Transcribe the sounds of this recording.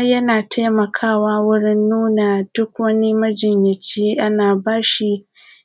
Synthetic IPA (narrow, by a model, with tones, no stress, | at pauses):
jɐ˦naː˨tʰa˦mɐ˨kʰaː˦˨waː˦wʊ˦ɽɪ˦nːuː˦naː˨d̥ʊ˦k̚wɐ˦ni˦mɐ˦d͡ʒɪ˨ɲjɪ˨t͡ʃiː˦ʔa˦naː˨baː˦ʃi˦